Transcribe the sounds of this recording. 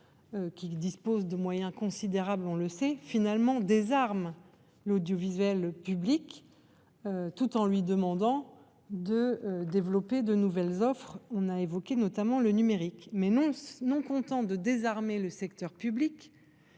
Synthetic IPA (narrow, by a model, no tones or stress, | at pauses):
økʲid̪ispozd̪əmwajɛ̃kɔ̃sid̪eʁablɔ̃ləsɛfinalmɑ̃d̪ezaʁm | lod̪jɔvizɥɛlpyblik | øt̪ut̪ɑ̃lɥid̪əmɑ̃d̪ɑ̃ | d̪əd̪evlɔped̪ənuvɛlzɔfχɔ̃naevɔkʲenɔt̪amɑ̃lənymeʁikmɛ̃nɔ̃kɔ̃t̪ɑ̃d̪əd̪ezaʁmeləsɛkt̪œʁpyblik